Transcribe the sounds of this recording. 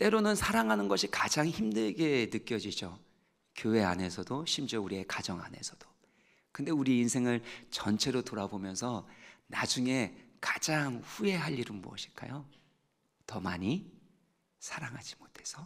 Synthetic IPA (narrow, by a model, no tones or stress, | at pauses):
t͈e̞ɾonɯnsʰaɾaŋɦanɯnɡʌɕʰikad͡ʑaŋçimdɯɭɡe̞nɯk͈jʌd͡ʑid͡ʑo | kjowe̞a̰ne̞sʰʌdoɕʰimd͡ʑʌuɾie̞kad͡ʑʌŋa̰ne̞̰sʰʌd̥o̥ | kɯnde̞uɾieinsʰe̞ŋɯɭt͡ɕʌnt͡ɕʰe̞ɾotoɾabomjʌnsʰʌnad͡ʑuŋe̞kad͡ʑaŋɸue̞ɦaʎːiɾɯnmuʌ̰ɕʰi̥ɭk͈a̰jo | tʌma̰ɲi | sʰaɾaŋɦad͡ʑimotʰe̞̥sʰʌ